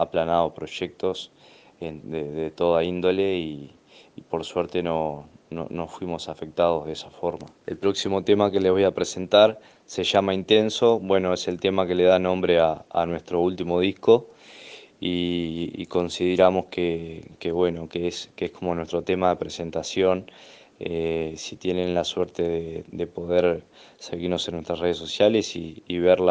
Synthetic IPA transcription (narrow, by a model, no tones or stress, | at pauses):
aplanað̞o̞pɾo̞ʃek̚t̪o̞s | end̪eðet̪o̞ðaind̪o̞leiː | po̞ɾsweɾt̪e̞nono̰nosfwimo̞safe̞k̚t̪að̞oð̞esafo̞ɾma | ḛlpɾoksimo̞t̪e̞make̞le̞β̞o̞japɾese̞nt̪aɾ | se̞ʒamaint̪e̞nso̞βwe̞noese̞lt̪e̞make̞leðanõ̞mbɾe̞aa̰nwe̞ht̪ɾo̞ult̪imo̞ð̞ihko̞ | iḭko̞nsið̞eɾamo̞skekeβwe̞no̞keeskeehkʰo̞mo̞nwe̞st̪ɾo̞t̪e̞maðe̞pɾe̞se̞nt̪asjo̞n | esi̥t̪je̞nẽ̞nlasweɾt̪e̞ðed̪epo̞ðeɾ | se̞ɣiɾno̞senːwe̞st̪ɾasre̞ðeso̞sjale̞siːβeɾla